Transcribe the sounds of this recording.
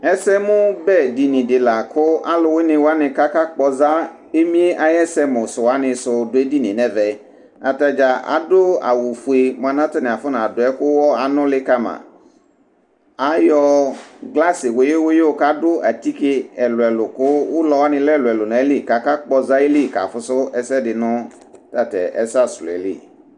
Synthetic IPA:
ɛ˦sɛ˦mʊ̃˦bɛ˦˨di˨nĩ˨dɪ˨la˨kʰʊ˦ʔa˦lʊ˨wɪ˦nɪ̃˨wa˦nɪ˨ka˦ka˦k͡pɔ˨za˦ | e˦mĩ˦e˦ʔa˨jɛ˦sɛ˦mʊ̃˨sʊ˨wa˦nɪ̃˨sʊ˨dʊ˨e˦di˦nɪ̰̃˨nɛ̃˨vɛ˨˦ | a˨ta˨d͡ʒa˨a̰˨dʊ˦a̰˨wu˨fu˨e˨mʊ̃˨a˨nã˦tɪ˦nɪ̃˨a˨fʊ˦nã˨dʊ˨ɛ˦kʊ˦wɔ˦a˨nʊ̃˦lɪ˦ka˦mã̰˨ | a˨˦jɔ˦ɡla˦sɪ˨wo˨˦je˦wo˦je˦wo˨ka˦dʊ˦ʔa˨ti˦kɪ˦ɛ˨lʊ˨ɛ˨lʊ˨kʊ˦wʊ˦lɔ˨˦wa˦nɪ̃˦lɛ˦˨lʊ˨ɛ˨lʊ˨nã˨e˦li˦˨ka˨ka˦k͡pɔ˨za˦e˦li˦˨ka̰˨fʊ˦sʊ˦ɛ˦sɛ˦dɪ˨nʊ̃˦ | ta˨tɛ̰˨ʔɛ̰˨sa˦˨sʊ˨lɛ̰˨lɪ̰˦˨

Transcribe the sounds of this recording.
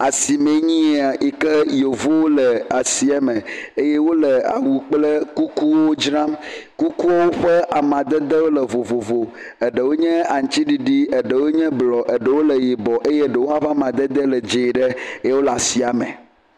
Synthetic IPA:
a˨si˨mẽ˨ɲĩ˦a˨i˨kə˦jo˨vo˦wo˦lə˨a˨si˨ɛ˦mẽ˨e˦je˦wo˦lə˨a̰˨wu˨k͡plə˦ku˦ku˦wo˦d͡ʒɾã˦mku˦ku˦wo˦wo˦ɸɛ˦ʔa˨mã˨d̪ə˦d̪ə˦wo˦lə˨vo˨vo˨vo˨ | ə˨ɖə˨wo˦ɲɛ̃˦a˨ŋ̩˨t͡ɕi˦ɖi˦ɖi˦ə˨ɖə˨wo˦ɲɛ̃˦blɔ˨ʔə˨ɖə˨wo˦lə˨ji˨bɔ˨ʔe˦je˦ɖə˨wo˦a˦va˦mã˨d̪ə˦d̪ə˦lə˨d͡ʒe˨ɖə˦e˦je˦wo˦la˨si˨a˨mḛ̃˨

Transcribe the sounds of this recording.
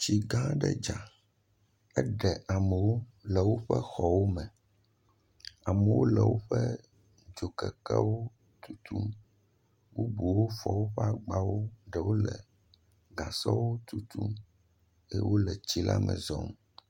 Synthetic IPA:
t͡ɕi˨ɡã˦ɖɛ̰˦d͡ʒa˨ | ɛ˦ɖɛ˨ʔa˨mɛ˨wo˦lɛ˨wo˦ɸɛ˦xɔ˨wo˦mɛ̃˨ | a˨mɛ˨wo˦lɛ˨wo˦ɸɛ˦ | d͡ʒo˨kɛ˨kɛ˦wo˦ | t̪u˦t̪u˦m | wu˦bu˨wo˦fɔ˨wo˦ɸɛ˦a˦ɡ͡ba˦wo˦ɖɛ˨wo˦lɛ˨ | ɡã˨sɔ˦wo˦t̪u˦t̪u˦m | ɛ˦wo˦lɛ˨t͡ɕi˦la˦mɛ̰˨zɔ˦m

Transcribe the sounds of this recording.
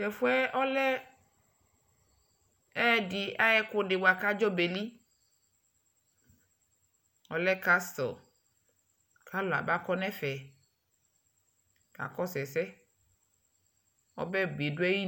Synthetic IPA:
tɛ˨fu˦ɛ˦ʔɔ˦lɛ˦ | ɛ˦di˨a˦jɛ˦kʊ˦ɖɪ˨wa˨ka˦d͡ʒɔ˦be˨li˦ | ɔ̰˦lɛ˦ka˦st̪ɔ̰˨ | kʰa˦lo˨a̰˨ba˦kɔ˦nɛ̃˦fɛ˨ | ka̰˨kɔ˦sɛ˨sɛ˦ | ɔ̰˦bɛ˦ɡ͡be˨du˦ɛ˦ji˦

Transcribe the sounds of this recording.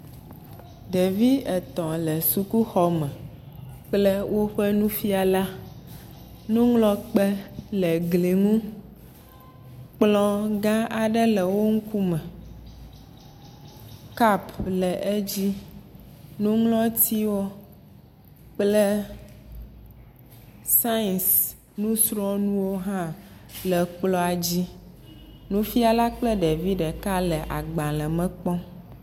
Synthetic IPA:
d̪e˨vi˦ɛ˨t̪ɔ̃˨lɛ˨su˨ku˦xɔ˨mɛ̃˨ | k͡plɛ˦wʔo˦ɸɛ˦nũ˦fi˦a˨la˦ | nũ˦ŋlɔ̃˦k͡pɛ˦lɛ˨ɡli˨ŋũ˦ | k͡plɔ̃˦ɡã˦a˨ɖɛ˦lɛ˨wo˦ŋ̩˦ku˦mɛ̃˨ | ka˦plə˨ʔe˦d͡ʑi˦ | nũ˦ŋlɔ̃˦t̪i˦wo˦ | k͡plə˦ | sa˦˨ns | nũ˦sɾɔ̃˦nũ˦wo˦ɦã˦lə˨k͡plɔ˦a˨d͡ʑi˦ | nũ˦fi˦a˨la˦k͡plə˦ɖe˨vi˦ɖə˨ka˦lə˨ʔa˨ɡ͡bã˨lə˨mə̃˦k͡pɔ̃˦

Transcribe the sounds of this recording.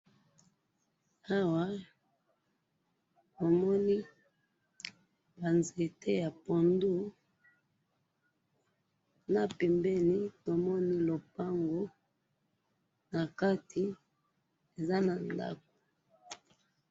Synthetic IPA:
a˦wa˦ | bo˨mɔ˦ni˦ | ba˨nze˨te˦ja˨po˨ndu˦ | na˨pɛ˨mbɛ˦li˦to˨mɔ˦ni˦lo˨pa˦ŋɡo˦ | na˨ka˦ti˨ | e˨za˦na˨nda̰˦k̚o̥˨

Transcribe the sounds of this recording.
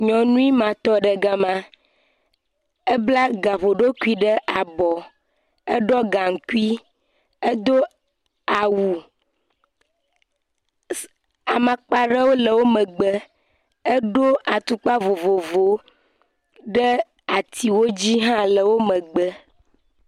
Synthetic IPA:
ɲɔ̃˨nũ˦i˦mã˨t̪ɔ˦ɖə˨ɡa˨mã˨ | ə˦bla˦ɡa˨ɸo˨ɖo˦ku˦i˦ɖə˦ʔa˨bɔ˨ | ə˦ɖɔ˦ɡa˨ŋ̩˨ku˦i˦ | ə˦d̪o˦ | a˨wu˨ | a˨mã˨k͡pa˨ɖə˦wo˦lə˨wo˦mə̃˨ɡ͡bə˦ | ə˦ɖo˦ʔa˨t̪u˦k͡pa˦vo˨vo˨vo˨ | ɖə˦ | a˨t̪ʰi˨wo˦d͡ʑi˦ɦã˦lə˨wo˦mə̃˨ɡ͡bə˦

